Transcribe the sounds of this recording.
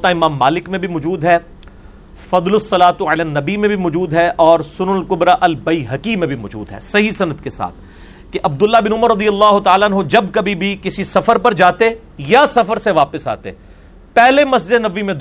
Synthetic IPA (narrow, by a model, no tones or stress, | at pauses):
t̪aɪmãːmːaːlɪkmẽbʱimɔd͡ʒuːd̪ɦɛː | fɐd̪lʊsːɐlaːt̪uəlanːɐbimẽbʱimɔːd͡ʒuːd̪ɦɛʔɔːɾsʊnʊɐlkʊbɾaʔɐlbɐiɦɐkimẽbʱimɔːd͡ʒṵːd̪ɦɛ̰ːsɐɦisɐnəd̪kesa̰ːt̪ʰ | keʔɐb̚d̪ʊlːabɪnʊməɾːɐd̪ijɐlːaːɦʊt̪aːlaɐnɦod͡ʒɐbkɐbʱibʱikɪsisɐfəɾpɐɾd͡ʒaːt̪e | jasɐfəɾseʋaːpəsa̰ːt̪ḛ | pɛɦlemɐs̬d͡ʒed̪nɐʋːimẽd̪